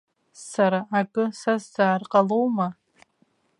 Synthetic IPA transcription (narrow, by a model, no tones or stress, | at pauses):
saɾaːkʼɨsasz̥aːrqʼalowma